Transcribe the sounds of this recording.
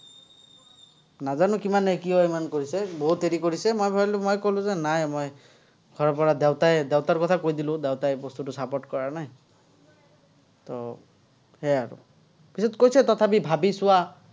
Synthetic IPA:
nazanukimanekioemankoɾisebɔɦut̪eɾikoɾisemojbʱɔlumojkolũzenajmoj | ɡʱɔɾɔpɔɾad̪ewt̪aed̪ewt̪aɾkɔt̪ʰakojd̪ilũd̪ewt̪aebɔst̪uʈusapɔʈkɔɹanaɦĩ | t̪ɔ | heaɾṵ | pisɔt̪̚kojset̪ɔt̪ʰap̬ibʱabisua

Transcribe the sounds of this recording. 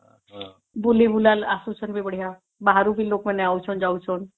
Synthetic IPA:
bulibulalasut͡ʃʰənbʱibəɽ̤ija | baɦaɾubʱiloːkmẽnẽaut͡ʃʰɔnd͡ʒaut͡ʃʰon

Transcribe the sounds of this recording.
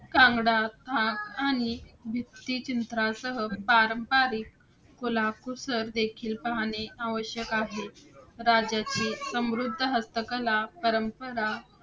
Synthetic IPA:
kãŋɡɽat̪ʰãkañibʱit̪ːit͡ɕint̪ɾasəɦəpaɾəmpaɾiːkː | olakusəɾd̪ekʰiːlpaɦaɽ̃eaʋəɕjəkaɦeɾad͡ʑat͡ɕiːsə̃mɾud̪ʱːəɦəst̪əkəlapəɾəmpəɾa

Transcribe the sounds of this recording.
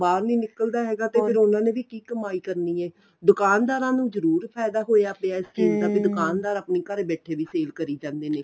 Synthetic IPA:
baːɾniːnɪkəld̪aːɦɛːɡaːt̪eːpʰɪɾʊnãːnẽːʋiːkiːkəmaːiːkəɾniːɛː | d̪ʊkaːnd̪aːɾãːnũːzəɾuːɾpʰɛːd̪aːɦoːjaːpeaːɪst͡ʃiːzd̪aːbiːd̪ʊkaːnd̪aːɾaːpniːkəɾbɛːʈʰeːʋiːseːlkəɾiːd͡ʒãːnd̪eːneː

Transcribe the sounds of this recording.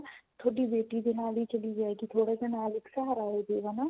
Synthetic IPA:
t̪ʰoːɖiːbeːʈiːd̪eːnaːliːt͡ʃəliːd͡ʒaːeːɡit̪ʰoːɽeːd̪eːnaːlɪksəɦaːɾaːɦoːd̪eːʋaːnaː

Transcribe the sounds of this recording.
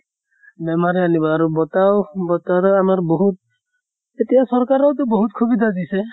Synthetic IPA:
bɛmaɹianibɔaɹubɔtawbɔtaɾɔamaɹboɦut̚ | etijasɔɹkaɹɔwtʊboɦut̚kʰubid̪ʱazisɛ

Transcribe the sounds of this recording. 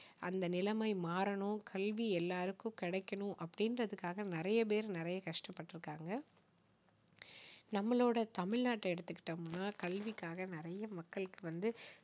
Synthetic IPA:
ʔɐnd̪ɐnɪlɐmɐɪmaːɾɐɳʊ̃kʰɐlʋiɛlːaːɾɯkːʊ̃kɪɽɐɪkːɐɳʊ̃ʔɐpːɐɽɪnɾɐðɯkːaːɣɐnɪɾɐjɐp̬eːɾnɪɾɐjɐkɐʂʈɐpːɐʈːɪɾɯkːaːŋɡɐ | nɐmːɐɭoːɽɐt̪ɐmɪɻnaːʈːɐɛɽɯt̪ːɯkːɪ̥ʈːɐmʊnːaːkɐɭʋikːaːɣɐnɪɾɐjɐmɐkːɐɭɯkːɯʋɐnd̪ɯ

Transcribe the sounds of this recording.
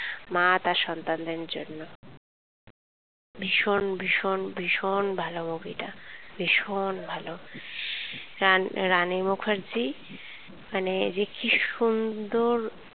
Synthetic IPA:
mat̪aɾʃɔnt̪and̪enɾd͡ʑo̰nːo | bʱiʃonbʱiʃonbʱiʃonbʱalomoɡiʈabʱiʃonbʱalo | anɾanimukʰaɾd͡ʑi | maned͡ʑekiʃund̪oɾ

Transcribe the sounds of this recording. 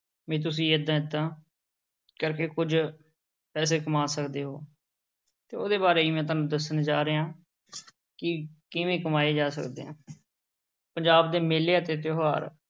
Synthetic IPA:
mɛ̃ːt̪̬ʊs̬ĩːəd̪ãːɪd̪ːãː | kəɾkeːkʊd͡ʒ | pɛːs̬eːkəmaːsəkd̪eːɦoː | t̪eːoːd̪eːbaːɾeːiːmɛ̃ːt̪̬aːnũd̪əsːənd͡ʒaːɾeːɦãː | kɪkɪʋẽːkəmaːeːd͡ʒaːsə̰kd̪ḛːãː | pəɲd͡ʒaːbd̪eːmeːleːət̪eːt̪̬joːɦaːɾ

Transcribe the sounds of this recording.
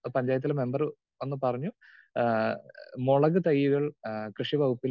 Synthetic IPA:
pɐɲd͡ʑaːjɐt̪ːilme̞mbɐr | e̞nːɨpɐrɐɲːu | moɭɐɣɨt̪ɐjːuɣɐɭkrɨʂibɐɣupːil

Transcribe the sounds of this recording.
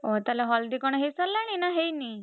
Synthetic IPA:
ot̪aleɦɔld̪ikɔɽ̃ɔɦejsɔlaɽ̃inaɦejni

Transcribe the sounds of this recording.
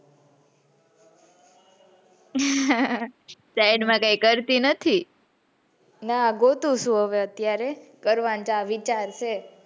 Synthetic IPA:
sajɖmãkaikəɾt̪inət̪ʰi | naɡot̪ũʃũɦəʋeət̪jaɾekəɾʋant͡ʃaʋit͡ʃaɾt͡ʃʰe

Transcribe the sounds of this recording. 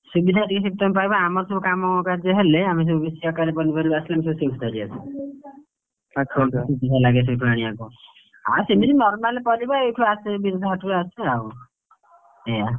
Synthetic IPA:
subid̪ʱaʈikesik̚t̪ɔnpajbaamɔɾsɔbukamɔkkad͡ʒɔɦeleamis̬ebubesiɔkaɾepɔlipɔɾibaasilamisebusewkʰt̪ɔɾiasʰɔ | asubid̪ʱalaɡesʰɔbipɾaɽ̃iaku | a̰semisinɔɾmalepɔlibaewkʰuasebiɾud̪ʱːɔɦɔʈkuɾaseaw | ɛa

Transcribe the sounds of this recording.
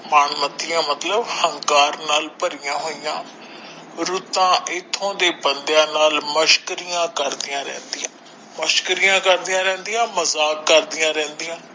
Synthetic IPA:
maːɳmət̪ːɪjãːmət̪ləbhəŋkaːɾnaːlpəɾɪjãːɦoːijãː | ɾʊt̪ãːʔɪt̪ʰːõːd̪eːbənd̪jãːnaːlməʃkɾijãːkəɾd̪ɪjãːɾɛ̰̃ːnd̪ijãː | məʃkəɾijãːkəɾd̪ijãːɾɛ̃ːnd̪ijãːməzaːkːəɾd̪ɪjãːɾɛ̃ːnd̪ijãː

